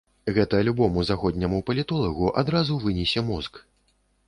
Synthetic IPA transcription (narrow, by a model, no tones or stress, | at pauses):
ɣɛt̪ɐlʲubɔmuzaxɔd̪ʲnʲɐmupɐlʲit̪ɔlˠɐɣuʔa̰d̪ɾazuvɨnʲɛsʲɛmɔsk